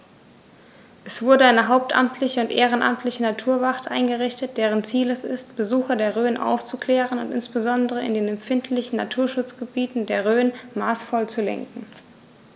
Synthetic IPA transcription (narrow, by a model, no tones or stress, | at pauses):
ʔɛsv̥ʊɐdəaɪnəɦaʊp̚tʔa̰mtʰlɪçəʊntʔeːʁ̞ənʔa̰mtʰlɪçənatʰuːɐvaʁtʔaɪnɡəʁɪçtət̚d̥eːʁ̞ənt͡siːlɛsɪ̰stb̥əzuːxɐdeːɐʁøːnʔa̰ʊft͡sukl̥ɛːʁənʊ̰ntɪ̰nsb̥əzɔndəʁ̞əɪ̰ndeːnɛmfɪntʰlɪçn̩natʰuːɐʃʊt͡sɡ̥əbiːtn̩deːɐʁøːənmaːsfɔlt͡sulɛ̰ŋkŋ̩